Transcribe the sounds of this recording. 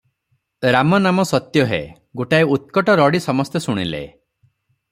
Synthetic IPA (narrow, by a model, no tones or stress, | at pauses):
ɾamɔnamɔsɔt̪jɔɦḛ | ɡoʈaeut̪̚kɔʈɔɾɔɽisɔmɔst̪esuɽ̃ilḛ